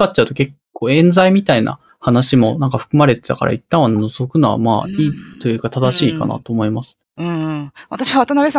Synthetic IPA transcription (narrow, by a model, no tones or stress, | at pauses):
katt͡ɕːaɯ̟t̪o̞ke̞kːo̞ːẽ̞nd͡zaimʲit̪aina̰ | hanaɕimo̞nãŋkaɸɯ̥kɯ̟maɾe̞t̪e̞̥t̪aka̰ɾa̰it̪ːãɰ̃annozo̞kɯ̟noβa̰ma̰ːiːt̪o̞jɯ̟ːkat̪ad̪aɕiːka̰na̰t̪o̞ːmo̞imasɨ̥ | ɯ̟̃βat̪aɕiβat̪anabʲesã